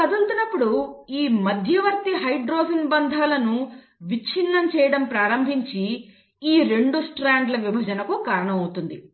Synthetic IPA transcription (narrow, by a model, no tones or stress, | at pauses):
kɐd̪ult̪unɐpːuɽuiːmɐd̪ʱjɐʋɐɾt̪iɦɐjɖɾoːsinbɐnd̪ʱaːlɐnu | ʋit͡ʃʰinːɐmt͡ʃɛːjɐɽɐmpɾaːɾɐmbʱiɲt͡ʃi | iːɾe̞ɳɖusʈɾaːɳɖlɐʋibʱɐd͡ʒɐnɐkukaːɾɐɳɐmɐwut̪und̪i